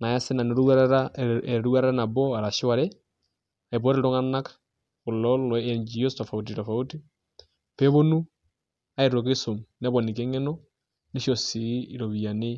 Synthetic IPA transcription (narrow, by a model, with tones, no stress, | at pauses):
na˨ja˦se˦na˨ne˨ɾu˦ɾɾaɛ˨ɾu˦a˦ɾɛ˦ɾa˦na˨bɔ˦a˨ɾa˨ʃa˨ɾɛ˦ | a˨e˨p̬ɔ˦ɾe˨ɾo˦ŋa˦na˦k | ko˨lɔ˦lɔɛ˨ɲd͡ʒi˨ɔ˦stɔ˨fa˨u˨t̬i˨tɔ˨fa˨u˦ti˦ | pe˦βo˦nu˦ | a˦e˨ɾo˨k̬e˦so˨mnɛ˦βɔ˨ni˨k̬e˦ŋɛ˦nɔ˦ | ne˦ʃɔ˨si˨˦i˨ɾo˨βi˨a˨ne˦